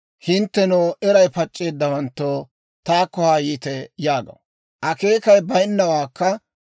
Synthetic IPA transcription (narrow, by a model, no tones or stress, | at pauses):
hɪnt̪ːɛnoːʔɛɾɐjpɐt͡ʃʼːe̞ːd̪ːɐwɐnt̪ːoː | t̪aːkːɔhaːjiːt̪ɛjaːɡɐ̰w | ʔɐke̞ːkɐjbɐjɪnːɐwaːkːɐ